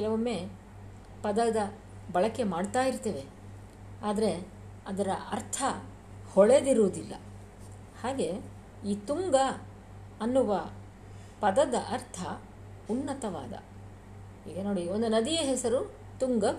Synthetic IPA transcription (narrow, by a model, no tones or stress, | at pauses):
kɛlɐʋɐmːe̞ː | pɐd̪ɐd̪ɐ | bɐɭɐkːe̞maːɖt̪aːjiɾt̪eːʋe̞ | aːd̪ɐɾe̞ | ɐd̪ɐɾɐʔɐ̰ɾt̪ʰɐ | hɔɭe̞d̪iɾuːd̪ilːɐ̰ | haːɡe̞ | iːt̪uŋɡɐː | nːuʋɐ | pɐd̪ɐd̪ɐʔɐɾt̪ʰɐ | unːɐt̪ɐʋa̰ːd̪ɐ̰ | hḭːɡɐno̞ːɽiond̪unɐd̪ijeɦɛsɐɾu | t̪uŋɡɐ